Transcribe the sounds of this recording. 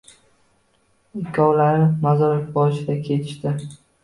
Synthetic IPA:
ɪkʲʰːɒwlaɾɪmazɒɾɪfbɒʃɪd̪akʲʰe̞t̪ʰɪ̥ʃt̪ɪ

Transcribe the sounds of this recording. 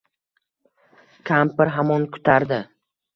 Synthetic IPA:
kʲʰampɪɾɦamɒnkʰʊ̥t̪ʰaɾd̪ɪ

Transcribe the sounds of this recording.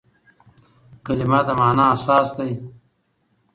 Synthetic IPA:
kɐlimaːt̪ɐmaːnaːsaːsd̪aj

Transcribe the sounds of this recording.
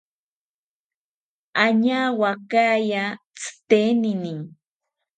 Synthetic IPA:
aɲaːwakaːja | t͡sɨ̥t̪enɪnɪŋ

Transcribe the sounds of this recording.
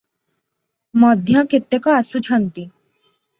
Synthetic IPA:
mɔd̪ʱjãket̪ːekɔasut͡ɕʰɔnt̪i

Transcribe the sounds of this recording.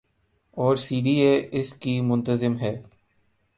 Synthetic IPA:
ɔːɾsiːɖieːɪskimʊ̃nt̪əzɪmɦɛː

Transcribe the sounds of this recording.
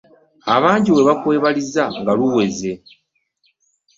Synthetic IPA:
aβaːɲɟiwe̞βakwe̞ːβalizaŋɡaluwe̞ze̞

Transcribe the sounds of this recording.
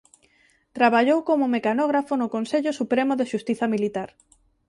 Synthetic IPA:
t̪ɾaβaʎowkomʊmekanɔɣɾafonʊkonseʎʊsupɾemʊðɪʃust̪iθɐmilit̪aɾ

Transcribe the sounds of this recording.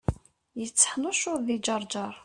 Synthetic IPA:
jət͡sːə̥ħnʊʃʊɾðid͡ʒɑɾˤd͡ʒɑɾˤ

